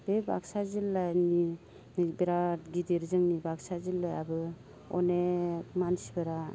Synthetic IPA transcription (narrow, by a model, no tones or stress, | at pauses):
beba̰ksazilːajni | nbeɾatɡidiɾzɯŋnibaksazilːajabɯ | ɔ̰nemansibɯɾa